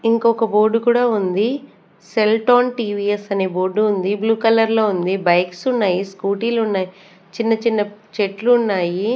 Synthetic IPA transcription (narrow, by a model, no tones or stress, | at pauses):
iŋkɔkɐboːɾɖukuːɽaːund̪i | selʈaːnʈiːʋiːesɐne̞ːbo̞ːɾɖuːnd̪ibluːkɐlɐɾlo̞ːund̪ibɐjksunːaːjiskuːʈiːlunːaːji | t͡ʃinːɐt͡ʃinːɐt͡ʃeʈluːnːaːji